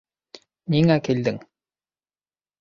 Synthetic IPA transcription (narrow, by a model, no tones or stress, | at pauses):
niŋakʲeld̪ɘŋ